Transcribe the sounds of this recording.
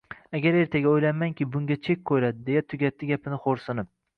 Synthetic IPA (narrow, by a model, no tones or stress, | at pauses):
aɡʲaɾe̞ɾt̪ʰaɡʲaojlamaŋkʲʰɪbʊŋʲat͡ʃʰe̞kʲkʰojlad̪ɪd̪e̞jat̪ʰʊɡʲat̪ʰːɪɡʲapʰɪnɪχoɾsʊnɪp̚